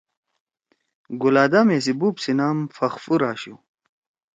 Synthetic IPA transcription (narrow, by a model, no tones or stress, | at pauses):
ɡulaːd̪ames̬ibuːpsinaːmfɐxfuɾaːɕu